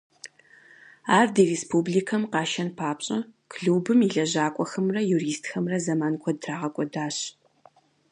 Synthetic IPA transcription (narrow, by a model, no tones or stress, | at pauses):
aːrdiːreːspʰublikʰɐmqɑːʃɐnpʰaːpɕʼɐkʰɮuːbɨmiɮɐʑaːkʷʼɔxɐmrɐjuriːstʰxɐmrɐzɐmaːnkʷʰɔdraːʁɐkʷʼɔdaːɕ